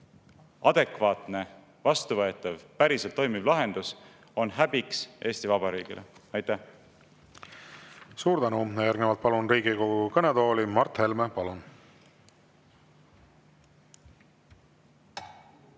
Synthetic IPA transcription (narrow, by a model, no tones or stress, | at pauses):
ʔɑd̪̥e̞kvɑːt̪ˑne̞ | vɑst̪uvɤet̪ːˑɑvpæɾiselt̪ːˑo̞jmivlɑɦe̞nd̪̥us | o̞nɦæbiksʔe̞ːst̪ivɑbɑɾiːɡ̥ḭlʔḛɑjt̪ːæh | suːɾd̪ænujæɾɡnevɑlt̪̚pɑlunriːɡikoɡukɤned̪o̞ːlimɑrt̪he̞lmepɑlun